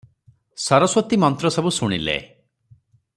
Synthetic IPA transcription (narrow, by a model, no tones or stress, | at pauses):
sɔɾɔswɔt̪imɔnt̪ɾɔsɔbusuɽ̃ilḛ